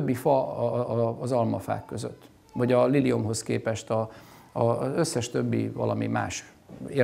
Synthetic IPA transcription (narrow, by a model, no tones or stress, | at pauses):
bːifɒː | zɒlmɒfa̰ːkːø̞zø̰t̪ː | ʋɒɟɒlilio̞mɦo̞skeːpɛʃt̪ɒ | ɒø̞sːɛʃt̪øbːḭvɒ̰lɒmima̰ːʃ | e